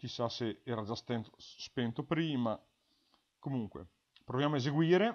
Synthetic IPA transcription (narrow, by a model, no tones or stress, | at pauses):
k̟isːaseɛːɾad͡ʒast̪ent̪ospent̪opɾiːma | komuŋkwḛ | pɾovjaːmoezeɡwiːɾe